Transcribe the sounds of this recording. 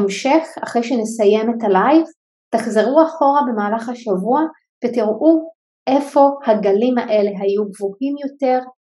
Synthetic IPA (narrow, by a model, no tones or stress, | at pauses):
mʃeχaχʁejʃenesaje̞metalajv | taχzeʁuaχo̞ʁabe̞maːlaχhaʃavua | v̥etiʁʔu | ʔe̞fo̞haɡalimaʔe̞le̞ɦajuɡvuhimjo̞te̞ʁ